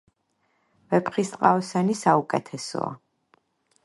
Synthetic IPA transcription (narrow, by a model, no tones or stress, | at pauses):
vɛpʰχist̪ʼqʼaɔsanisaukʼɛt̪ʰɛsɔ̰a̰